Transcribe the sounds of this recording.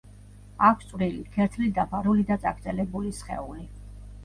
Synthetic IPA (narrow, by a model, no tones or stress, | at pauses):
akʷʰst̪sʼvɾilikʰɛɾt̪ʰlid̪apʰaɾulid̪at̪sʼa̰ɡɾd̪zʼɛlɛbulisχɛ̰uli